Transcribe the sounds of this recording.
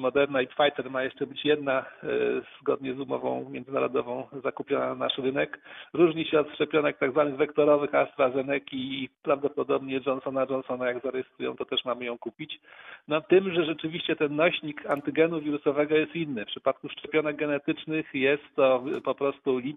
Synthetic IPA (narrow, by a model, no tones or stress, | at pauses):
mɔd̪ɛɾnaipfajt̪ɛɾmajɛʂt͡ʂɛbɘt͡ɕjɛd̪na | z̥ɡɔd̪ɲɛzumɔ̰vɔ̰̃w̃mʲjɛnzɘna̰ɾɔ̰d̪ɔvɔ̃w̃zakupʲjɔnana̰ʂɾɘnɛkɾuʐɲiɕɛɔt̪ʂt͡ʂɛpʲjɔnɛk̚t̪aɡzvanɘɣvɛkt̪ɔɾɔvɘxast̪ɾazɛnɛkʲiːpɾavd̪ɔpɔd̪ɔbɲɛd͡ʐɔnsɔnad͡ʐɔnsɔnajaɡzaɾɛjɛst̪ɾujɔ̰̃w̃t̪ɔt̪ɛʂmamɘjɔ̃w̃kupʲit͡ɕnɔt̪ɘmʐɛʐɛt͡ʂɘvʲiɕt͡ɕɛt̪ɛnːɔɕɲikant̪ɘɡɛnuvʲiɾusɔvɛɡɔjɛst̪inːɘfpʂɘ̥pat̪̚kuʂt͡ʂɛpʲjɔnɛɡɡɛnɛt̪ɘt͡ʂnɘxjɛst̪ːɔpɔpɾɔst̪ulʲi